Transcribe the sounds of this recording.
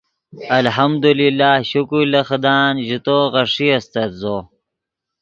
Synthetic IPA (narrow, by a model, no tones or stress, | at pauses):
ɐlɦɐmd̪ulilːaːhɕukulɐxd̪aːnʑit̪oːɣɐʂiɐst̪ɐd̪zo